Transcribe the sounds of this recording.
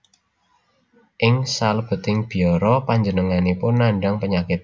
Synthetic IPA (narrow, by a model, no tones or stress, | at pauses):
ʔɪŋsalb̥ət̪ɪŋb̥iɔɾɔpaɲd͡ʒənəŋanipʊnːaɳɖaŋpəɲakɪt̪̚